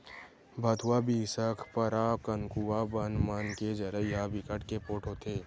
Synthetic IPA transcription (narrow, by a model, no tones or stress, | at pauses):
bʱɐt̪ʰuwabiːsəkʰpəɾaːkənkuwabənmaːnked͡ʒəɾəjabɪkəʈkepoːʈɦoːt̪eː